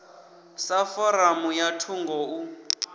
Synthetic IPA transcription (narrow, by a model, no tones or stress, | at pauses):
safɔɾamujatʰuŋɡʱɔu